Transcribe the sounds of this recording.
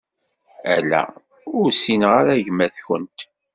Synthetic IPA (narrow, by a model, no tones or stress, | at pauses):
æ̰læ̰ | ʊɾsinʁaɾæʝmæθçə̰nt̪